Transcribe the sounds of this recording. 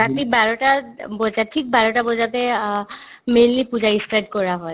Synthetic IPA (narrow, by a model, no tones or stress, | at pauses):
atibaɹɔtabɔzatʰik̚baɹɔtabɔzatɛ | mejnlipuzaistajd̚kɔɹaɦɔj